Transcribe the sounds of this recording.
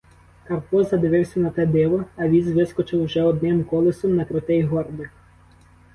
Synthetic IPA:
kɐwpɔzɐd̪ɪʋɪwsʲɐnɐt̪ɛd̪ɪʋɔɐʋʲizʋɪskɔt͡ʃɪwʒɛɔd̪nɪmkɔlˠɪsɔmnɐkɾɪt̪ɪjɦɔrbɪ

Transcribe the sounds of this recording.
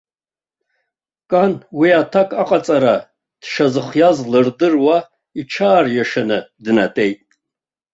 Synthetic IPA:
kʼanwiatʰakʼaqʼat͡sʼaɾa | d̥ʃazɨχjazlɨrdɨrwa | iʈ͡ʂʰaːrjaʂanɨdɨnatʼe̞jtʼ

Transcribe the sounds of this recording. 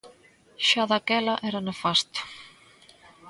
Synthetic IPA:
ʃaðakɛlɐʔɛɾanefast̪ʊ̥

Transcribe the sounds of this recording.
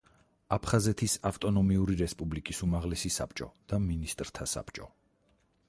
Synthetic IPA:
apʰχazɛt̪ʰisaft̪ʼɔnɔmiuɾiɾɛspʼublikʼisumaʁlɛsisa̰pʰt͡ʃʼɔd̪̥aminist̪ʼɾt̪ʰasa̰pt͡ʃʼɔ

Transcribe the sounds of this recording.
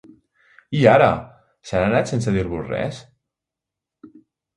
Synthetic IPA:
iaɾə̰ | saɾanat̪sensəðiɾβusrɛ̰s

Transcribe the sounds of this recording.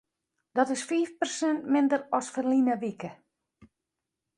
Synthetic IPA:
d̥ɔtɪsfiːfpərsɛntmɪndərɔsfərlinəʋikə

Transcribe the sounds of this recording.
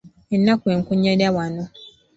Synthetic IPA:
ennakueŋ̩kʊɲɛdawanʊ̃

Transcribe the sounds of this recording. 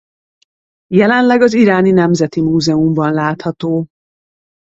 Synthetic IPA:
jɛlɛnlɛɡɒziɾaːninɛmzɛt̪imuːzɛumbɒnlaːt̪hɒt̪oː

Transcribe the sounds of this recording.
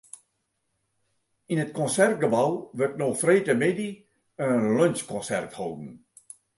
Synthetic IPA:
inətkɔnsɛrt̚ɡəbawʋərtnoːfreːtəmedi | əlœnskɔ̃nsɛ̰rthowdn̩

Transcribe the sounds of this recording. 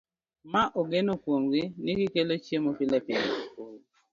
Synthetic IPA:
maʔoɡenokwomɡɪniɡikelot͡ʃemopɪlɛpɪlɛ

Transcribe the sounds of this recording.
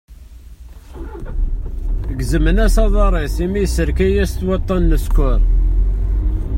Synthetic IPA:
əɡzəmənæsɑðˤɑɾˤesimijsːəɾkæjæst̪wɑt̪ˤːɑnːəskʷʊɾ

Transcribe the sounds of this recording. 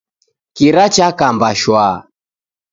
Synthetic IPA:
kiɾat͡ʃakambaʃwa

